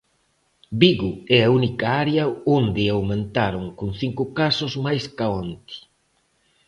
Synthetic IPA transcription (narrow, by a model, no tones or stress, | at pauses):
biɣuɛaunikaaɾeɐond̪ɪawmẽnt̪aɾoŋkunθiŋkukasʊzmajskaont̪i̥